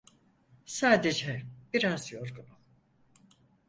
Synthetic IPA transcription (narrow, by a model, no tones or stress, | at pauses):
saːd̪e̞d͡ʒɛb̥iɾazjo̞ɾɡunu